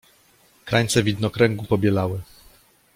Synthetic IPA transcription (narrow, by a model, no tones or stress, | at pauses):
kɾaɲt̪sɛvʲjid̪nɔkɾɛŋɡupɔbʲjɛlawɘ